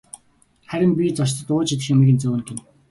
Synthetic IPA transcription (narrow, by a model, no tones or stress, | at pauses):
χæɾʲɪ̆mpʲit͡sɔʃ̬t̪ə̆t̪ʊːt͡ɕet̪ɘ̆xʲamiːɣɘ̆nt͡sŭːnkĕn